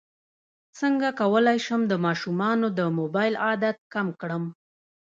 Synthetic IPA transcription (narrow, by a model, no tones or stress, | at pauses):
səŋɡakawəlajʃəmd̪əmɑʃumɑnod̪əmobɑjlɑd̪at̪̚kamkɽəm